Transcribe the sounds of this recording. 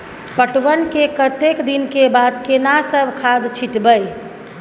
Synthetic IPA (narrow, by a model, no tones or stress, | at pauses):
pəʈʋənkekət̪ekd̪inkebad̪kenasəbʱkʰad̪t͡ʃʰiʈbəj